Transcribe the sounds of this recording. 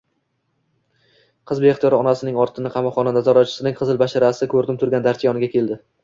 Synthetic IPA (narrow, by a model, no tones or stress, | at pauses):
qʰɨzbeχt̪jɒɾɒnasɪnɪŋɒɾt̪ʰɪnɪqʰɑmɒqχːɒnanazɒɾɒt͡ʃʰɪ̥sɪnɪŋqʰɨzɪlbaʃaɾasɪkʰɵɾd̪ɪm̚t̪ʰʊɾɡʲand̪aɾt̪ʰijɒnɪɡʲakʰʲe̞ld̪ɪ